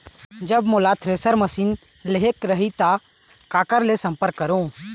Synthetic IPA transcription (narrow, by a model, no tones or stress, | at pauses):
d͡ʒəbmʊlat̪ʰɾeːsəɾməsiːn | leɦekɾəɦit̪a | kaːkəɾlesə̃mpəɾkːəɾõː